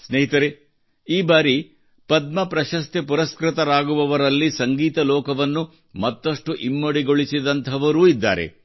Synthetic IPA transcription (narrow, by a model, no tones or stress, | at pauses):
sneɦit̪ɐɾe | iːbaːɾi | pɐd̪̚mɐpɾɐʃɐst̪ʰepuɾɐskɾɪt̪ɐɾaːɡuʋɐʋɐɾɐlːisɐŋɡiːt̪ɐlɔːkɐʋɐnːu | mɐt̪ːɐʂʈuʔimːɐɽiɡoɭisid̪ɐnt̪ʰɐʋɐɾuːid̪ːa̰ːɾe̞̰